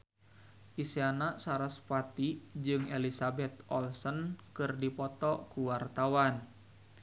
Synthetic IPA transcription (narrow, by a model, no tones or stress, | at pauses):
ʔiseanasaɾaspat̪id͡ʒɨŋelisabɛt̪ʔɔlsɔnkɨrdipɔt̪ɔkuwart̪awan